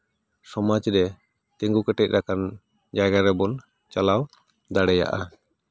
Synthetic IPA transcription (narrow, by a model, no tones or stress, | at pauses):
sɔmad͡ʒɾɛ | t̪ɛŋɡukɛʈɛc̚ˀɾakan | d͡ʒaɡaɾɛbɔn | t͡ʃalaw | d̪aɽɛja̰ʔa